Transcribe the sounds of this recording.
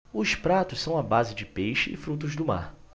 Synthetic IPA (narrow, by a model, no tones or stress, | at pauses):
ʊʃpɾat̪ʊssɐ̃w̃ɐabazɪd͡ʒɪpejʃɪɪ̰fɾut̪̬ʊzd̪ʊma̰ɾ